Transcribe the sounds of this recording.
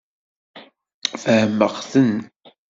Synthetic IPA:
θəhəmːəʁθən

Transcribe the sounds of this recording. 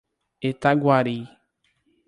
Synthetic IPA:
etaɡwaɾi

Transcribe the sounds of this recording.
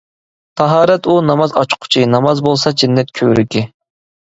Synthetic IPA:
t̪ʰɑɦɑːɾɛt̪unɑmɑzɑt͡ʃqʰʊ̥t͡ʃʰinɑmɑzbolˠsɑd͡ʒɪnːɛt̪̚kʲʰøɾykʲʰi

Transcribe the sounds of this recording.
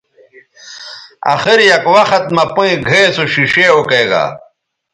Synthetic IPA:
a̰xiɾjɐkwɐxɐt̪̚mɐpũĩɡʱesoɕiʂeokeːɡa̰

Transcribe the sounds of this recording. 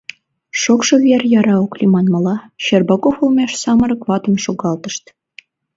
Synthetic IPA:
ʂokʃɤ̆βʲerʲjɑɾɑoklʲimɑnmɑlˠɑɕerbɑkofolˠmʲeʃsɑmɤ̆ɾɤ̆kβɑt̪ɤ̆nʃoɡɑlˠt̪ɤ̆ʃt̪

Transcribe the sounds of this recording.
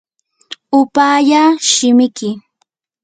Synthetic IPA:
ʊpaːjaːʃɪmɪkɪ

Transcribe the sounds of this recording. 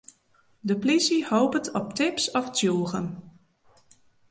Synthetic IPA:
dəplisihoːpətɔp̚tɪpsɔftjuːɣən

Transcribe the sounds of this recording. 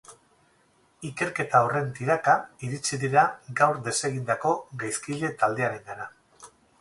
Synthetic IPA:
ike̞ɾke̞t̪ao̞re̞nt̪iɾakaiɾit͡siðiɾaɡawɾd̪e̞se̞ɣ̞ind̪ako̞ɣajskiʎe̞t̪ald̪e̞aɾe̞ŋɡana

